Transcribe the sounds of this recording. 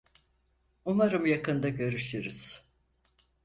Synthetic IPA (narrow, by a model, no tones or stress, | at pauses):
umaɾɯmjakɯnd̪aɟø̞ɾyʃiɾɯz̥